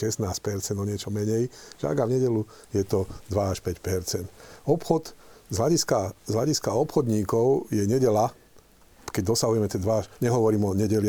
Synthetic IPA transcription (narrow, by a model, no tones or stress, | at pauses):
ʃɛsnaːsc̚pɛɾt͡sɛnd̪ɔɲɪɛt͡ʃɔmɛɲɛjʒa̰ɡavɲɛɟɛlujɛt̪ɔd̪ʋaaʃpɛcpɛɾt͡sɛnd̪ɔpxɔd̪zɦlaɟiskazlaɟiskaɔpxɔd̪ɲiːkɔʊjɛɲɛɟɛla | kɛɟ̚d̪ɔsaɦujɛmɛt̪ɛd̪ʋaaʃɲɛɦɔʋɔɾiːmɔɲɛɟɛl